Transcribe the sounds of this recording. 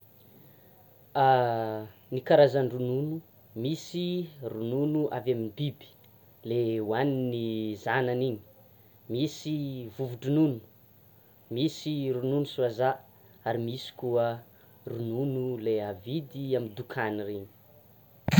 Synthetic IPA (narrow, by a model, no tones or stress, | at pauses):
a | nikaɾazaɳɖ͡ʐununu | misirununuʔavaminbibi̥ | leuwaninizananini̥ | misivuvuʈ͡ʂunun̥u̥ | misiɾununusuaza | aɾimisi̥kuə | rununuleavid̪iamind̪ukʰanirini̥